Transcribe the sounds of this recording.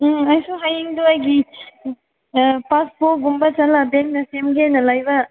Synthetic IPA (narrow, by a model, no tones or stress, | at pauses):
ajsuɦajiŋd̪uajɡi | paspoɡumbɐt͡ʃɐlabeŋk̚nɐsemɡenɐlajbɐ